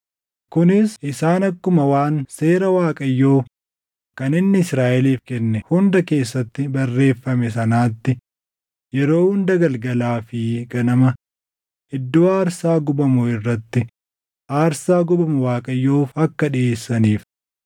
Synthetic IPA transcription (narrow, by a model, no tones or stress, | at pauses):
kʊnɪsɪsaːnɐkːʊmɐwaːnse̞ːɾɐwaːkʼɐjːoːf | kɐnɪnːɪɪsɾaːʔɛliːfkɛnːɛhʊnd̪ɐke̞ːsːɐt̪ːɪbɐrːe̞ːfːɐmɛs̬ɐnaːt̪ːɪ | jɛɾo̞ːhʊnd̪ɐɡɐlɡɐlaːfɪɡɐnɐmɐ | ɪd̪ːoːaːɾsaːɡʊbɐmʊɪrːɐt̪ːɪ | ʔaːɾsaːɡʊbɐmʊwaːkʼɐjːoːfɐkːɐᶑɪe̞ːsːɐniːf